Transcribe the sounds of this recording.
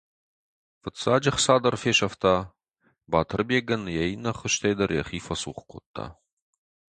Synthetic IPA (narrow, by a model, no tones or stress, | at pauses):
fɨtsaːd͡ʒɐχsaːd̪ɐrfeːʃɐft̪ʰaː | baːt̪ʰɨrbeːɡɐnjɛjnɐχəʃt̪ʰejd̪ɐrjɐχiːfɐsuːχkʷʰo̰t̪ʰːa̰ː